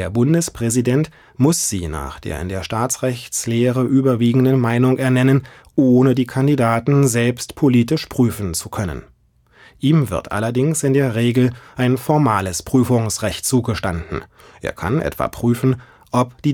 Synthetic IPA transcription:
eːɐbʊndəspʁ̥ɛzidɛnt | mʊsz̥iːna̰ːχd̥ḛːɐɪ̰ndeːɐʃtaːt͡sʁɛçt͡sleːʁəʔyːbɐviːɡŋ̩dənmaɪnʊŋʔɛɐnɛnən | ʔoːnədiːkʰandidaːtn̩zɛlpstpʰoliːtɪʃpʁ̥yːfn̩t͡sukʰœnə̰n | ʔiːmvɪ̰ɐtʔa̰lɐdɪŋsɪndeːɐʁeːɡl̩ʔaɪnfɔɐmaːləspʁ̥yːfʊŋsʁɛçt̚t͡suːɡəʃtandn̩ | ʔḛːɐkʰa̰nʔɛ̰tv̥a̰ːpʁ̥yːfn̩ | ʔɔpd̥iː

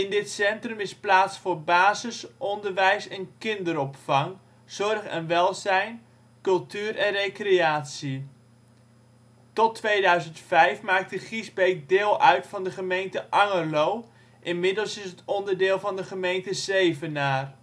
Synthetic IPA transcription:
ɪndɪtsɛntrəmɪsplaːtsfʊːɹbaːzəsʔɔndəɹʋɛjsɛnkɪndəɾɔpfɑŋ | z̥ɔrχɛ̰nʋɛlˠzɛjn | kɵlˠtyːrʔɛnrejkreaːtsi | tɔtʋejdœɥzəntfɛjfmaːk̚təχizbejk̚dɪːlˠœɥtfɑndəχəmejntəʔɑŋəlow | ʔɪnmɪdəlˠsɪsətɔndəɹdɪːlˠvɑndəχəmejntəzejvənaːr

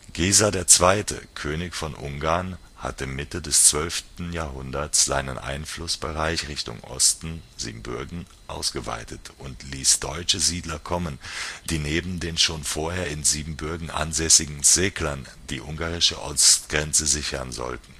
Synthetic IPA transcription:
ɡ̥eːzadeːɐt͡sv̥aɪtʰə̰kʰøːnɪçfɔnʔʊŋɡaːɐn | ha̰tɪmmɪtədɛst͡sv̥œlftn̩jaːɐɦʊndɐtsz̥a̰ɪnənʔa̰ɪnflʊsb̥əʁaɪçʁɪçtʊ̰ŋʔɔ̰stn̩z̥ḭːbm̩bʏɐɡŋ̩ | ʔa̰ʊsɡ̥əva̰ɪtətʔʊntʰliːsd̥ɔʏt͡ʃəziːdlɐkʰɔmənd̥iːneːbm̩deːnʃoːnfoːɐheːɐɪnziːbm̩bʏɐɡŋ̩ʔa̰nzɛsɪɡŋ̩z̥eːklɐn | d̥iːʔʊŋɡaːʁɪʃə̰ʔɔ̰stɡ̥ʁɛnt͡səzɪçɐ̰nzɔ̰ltn̩

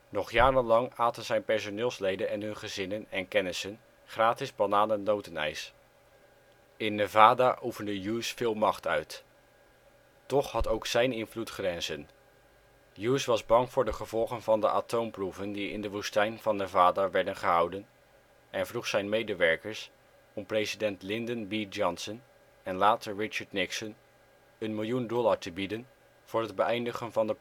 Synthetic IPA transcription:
nɔχjaːɾənlɑŋaːtənzɛjnpɛɹsonɪːlˠslejdənɛnɦɵnχəzɪnənɛnkɛnɪsən | χraːtɪzbanaːlənowtənɛ̰js | ɪnːəvaːdaʔufəndəjuːsfɪːlˠmɑχtœɥt | tɔχhɑtowksɛjnɪnvlutχrɛnzən | juːsʋɑzbɑŋvʊːɹdəχəvɔlˠχənvɑndəʔatowmpruvəndiɪ̰ndəʋustɛjnv̥ɑnəvaːdəɹʋɛɹdənχəɦɑwdən | ʔɛnvruχsɛjnmejdəʋɛɹkəɹs | ɔmprejzidɛntlɪndənbid͡ʒɔnsən | ɛnlaːtəɹɹɪt͡ʃəɹdnɪksən | ənmɪlˠjundɔlˠaɹtəbidən | v̥ʊːɹɦədbəʔɛjndəχənvɑndəp

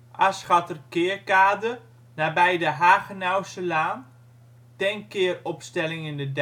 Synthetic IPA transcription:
ʔasχatərkɪəɹkaːdə | nabɛjdəɦaːɣənawsəlaːn | tɛnkɪərɔpstɛlɪŋɪndəd

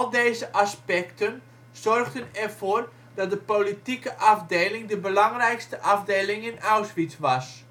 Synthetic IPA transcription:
lˠdeːzəʔɑspɛktən | z̥ɔrɣdənɛrv̥oːr | d̥ɑt̚dəpolitikəʔɑvdeːlɪŋdəbəlɑŋrɛjkstəʔɑvdeːlɪŋɪnawsʋitʋɑs

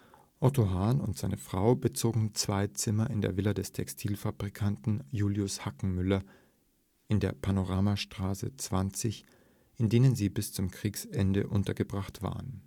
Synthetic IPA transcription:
ʔɔtoɦaːnʊntz̥aɪnəfʁ̥aʊbət͡soːɡŋ̩t͡sv̥aɪt͡sɪmɐʔɪndḛːɐvɪlɐdɛstʰɛkstʰiːlfabʁikʰantn̩juːljʊshakŋ̩mʏlɐ | ʔɪndeːɐpʰanoʁaːmaʃtʁ̥aːsə̰t͡sv̥ant͡sɪç | ʔɪndeːnənziːbɪst͡sʊmkʁ̥iːksʔɛndə̰ʔʊntɐɡəbʁaχtv̥a̰ːʁən

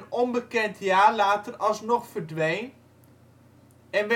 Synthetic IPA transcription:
nɔmbəkɛntʰjaːɹlaːtərɑlˠsnɔχfərdʋejn | ɛnʋɛ

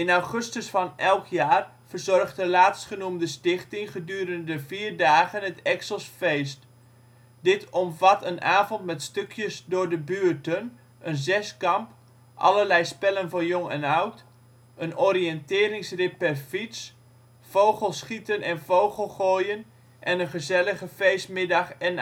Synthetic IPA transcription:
ɪnawχɵstəsfɑnɛlˠkʰjaːr | v̥ərzɔrχtdəlaːtstχənumdəstɪχtɪŋχədyːɾəndəviːrdaːɣənətɛksəlˠsfejst | dɪtʰɔmvɑtənʔaːvɔntmɛtstøkʰjəsdʊːɹdəbyːɹtən | ʔənzɛskɑmp | ʔɑ̰ləɹlɛjspɛlənvʊːnjoŋɛnawt | ənɔɾiɛntɪːɾɪŋsrɪpːɛrfits | fowχəlˠsχitənɛnvowχəlˠχoːjən | ʔɛnənχəzɛləχəfejstmɪdɑχɛn

